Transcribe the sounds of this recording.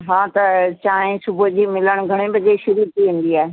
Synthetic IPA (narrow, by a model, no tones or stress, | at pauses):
ɦãːt̪ɐt͡ɕaːẽsʊbd͡ʑiːmɪləɽ̃ɡʱɐɽ̃ebɐd͡ʑeʃʊɾuːɾt̪ʰiʋẽːn̆d̪iaːɦe